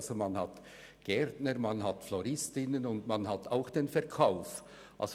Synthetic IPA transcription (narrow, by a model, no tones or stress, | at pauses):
zomanhat | ɡ̥ɛɾtnəɾmanɦatflɔɾɪstɪnənʊndmanɦataʊxd̥enfɛʁkʰaʊf | ʔa̰ls